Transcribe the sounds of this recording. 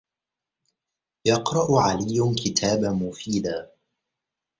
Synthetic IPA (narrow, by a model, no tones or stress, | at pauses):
jɑqɾˤɑʔʊʕalɪjːʊnkɪt̪ʰaːbamʊfiːd̪aː